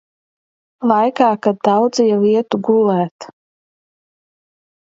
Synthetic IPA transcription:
lˠajkaːkad̪̚d̪awd̪zijaliɛt̪uɡulˠæːt̪

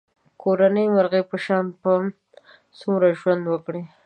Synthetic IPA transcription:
kʰoɾanəjmaɾɣepəʃɑnpə | sumɾaʒwand̪wəkɽi

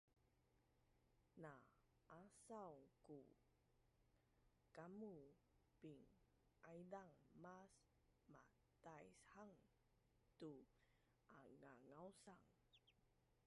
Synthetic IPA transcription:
na | ʔasawku | kamu | piŋ | ʔajdaŋmas | ma | t̪ajshaŋ | tu | aŋaŋawsaŋ

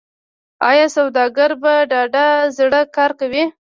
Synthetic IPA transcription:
ɑ̰jɑsawd̪ɑɡaɾbaɖɑɖazɽəkɑɾkawi

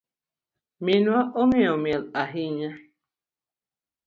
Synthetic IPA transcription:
minwaʔoŋeomjelaɦiɲa

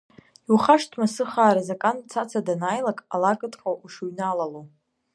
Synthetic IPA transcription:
iwχaʂtʰʼmasɨχaːɾazakʼant͡sʰat͡sʰadanaːjlakʼalakʼɨtʼqʼawʔuʂuɥnalalo

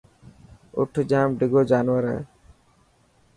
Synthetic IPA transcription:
ʊ̰ʈʰd͡ʒaːmɖɪɡoːd͡ʒaːnʋəɾɦɛ̰ː

